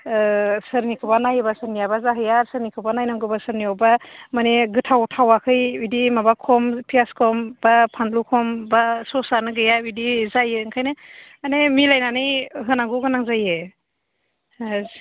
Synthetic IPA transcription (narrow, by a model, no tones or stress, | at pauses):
sɯɾnikʰɯbanajɯbasɯɾnijabazaɦɯjaɾsɯɾnikʰɯbanajnɔŋɡɯbasɯɾniɔbamaneɡɯtʰawtʰawakʰɯjidimabakʰɔmpʰijaskʰɔmbapʰanlukʰɔmbasɔsanɯɡɯjabidizajɯŋkʰajnɯ | anemilajnanɯjɦɯnaŋɡuɡɯnaŋzaje